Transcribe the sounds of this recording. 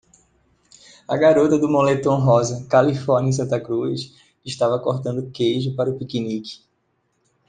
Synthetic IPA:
aɡaɾot̪ɐd̪ʊmõlet̪õw̃ɦɔzɐkalifɔɾnʲɐ̃ẽs̬ɐ̃t̪ɐkɾus | ɪʃt̪avɐkoɾt̪ɐ̃nd̪ʊkejʒʊpaɾʊpikinikɪ̥

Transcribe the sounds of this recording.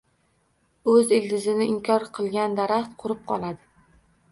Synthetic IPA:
ɵzɪld̪ɪzɪnɪɪmkʲʰɒɾqʰɨlˠɡʲand̪aɾaχt̪qʰʊɾɪp̚qʰɒ̰lˠad̪ɪ

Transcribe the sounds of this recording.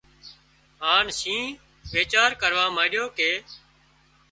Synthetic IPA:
ɦaːnsĩː | ʋeːt͡ʃaːɾkəɾʋãːmãːɗjoːkeː

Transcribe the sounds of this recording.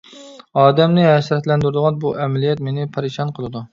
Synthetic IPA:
ɑːd̪ɛmnɪɦɛʃɾɛt̪lɛnd̪yɾd̪ɨʁɑnbuʔɛmɛlijɛt̪menɪpʰɑɾiʃɑnqʰəlˠɨd̪u

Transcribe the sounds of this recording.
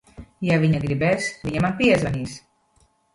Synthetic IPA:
jaβiɲaɡɾiβɛsβiɲamampiezβanis

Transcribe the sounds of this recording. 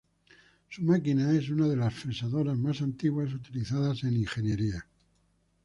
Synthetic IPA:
sumakinae̞sunað̞e̞lasfɾesaðo̞ɾazmasant̪iɣwasut̪iliθaðase̞niŋxe̞nje̞ɾia

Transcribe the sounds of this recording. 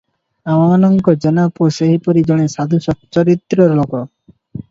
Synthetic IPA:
awanɔŋkɔd͡ʒɔnapoʃeɦipoɾid͡ʑɔɽ̃esad̪ʱuʃɔtt͡ʃɔɾit̪ɾɔɾlokɔ

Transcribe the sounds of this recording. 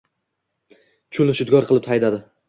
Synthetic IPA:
t͡ʃʰʊlʊʃʊd̪ɡɒɾqʰɨlˠɪp̚t̪ʰajd̪ad̪ɪ

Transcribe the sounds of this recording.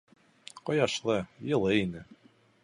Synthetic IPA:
qojɑʃlˠɤjɤ̆lˠɤinɘ

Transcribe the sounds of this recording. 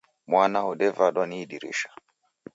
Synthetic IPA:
mwanaɔɗɛvaɗɔniːɗiɾṵʃḁ

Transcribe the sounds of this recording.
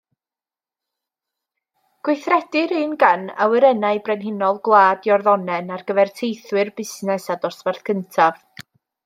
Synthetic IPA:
ɡ̥wɪjθrɛdɪɾɨːnɡana̰wəɾɛnaɨjbrɛnɦɪnɔlˠɡlˠaːdjɔrðɔnɛnarɡəvɛrtʰejθwɨrbɪsnɛsadɔrsvarθkʰəntʰav

